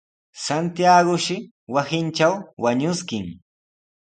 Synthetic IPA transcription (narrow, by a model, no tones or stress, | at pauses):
sant̪jaɡʊʃɪ | wasɪnt͡ʃawwaɲʊskɪŋ